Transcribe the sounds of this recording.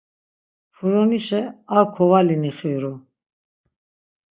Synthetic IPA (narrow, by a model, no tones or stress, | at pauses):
fʰuɾɔniʃɛakʰɔvaliniχiɾu